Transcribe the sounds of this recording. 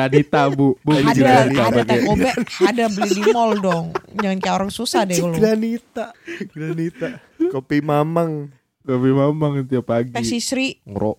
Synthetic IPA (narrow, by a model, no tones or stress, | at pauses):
anit̪abubuliɡaaiadak̪t̪obɛadabəlidimɔldɔŋd͡ʒaŋankajaoɾaŋsusahdɛolɡɾanit̪aɡɾanit̪a | kopimamaŋ | kopimamaŋst̪iapaɡip̪ɛsisɾiŋɾo̰ʔ